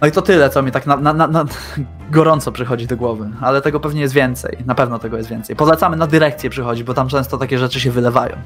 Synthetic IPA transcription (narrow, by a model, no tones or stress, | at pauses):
nɔit̪ɔt̪ɘlɛt̪sɔmʲit̪aknananana | ɡɔɾɔnt̪sɔpʂɘxɔd͡ʑid̪ɔɡwɔvɘalɛt̪ɛɡɔpɛvɲɛjɛs̬t̪vʲjɛnt̪sɛ̰jnapɛvnɔt̪ɛɡɔjɛst̪vʲɛntsɛjpɔlɛt̪samɘnad̪ɘɾɛk̚t̪sjɛpʂɘxɔd͡ʑibɔt̪amt͡ʂɛ̃w̃st̪ɔt̪akʲɛʐɛt͡ʂɘɕ̬ɛvɘlɛvajɔ̰̃w̃